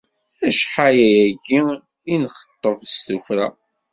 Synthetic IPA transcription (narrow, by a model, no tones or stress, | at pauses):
æʃħajæjæɡi | inχə̥t̪ˤːəvst̪ufɾæa̰